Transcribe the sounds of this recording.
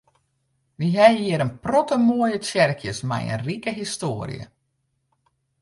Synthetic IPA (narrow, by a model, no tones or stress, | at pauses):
ʋiɦɛjiəɾənprɔtəmoəjət͡sjɛrkʰjəsmɛ̰jə̰nrikəɦistoːəɾḭjə̰